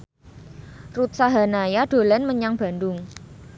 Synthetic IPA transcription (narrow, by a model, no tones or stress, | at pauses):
rut̪̚saɦanajad̥o̤lanməɲaŋb̥a̤ndʊŋ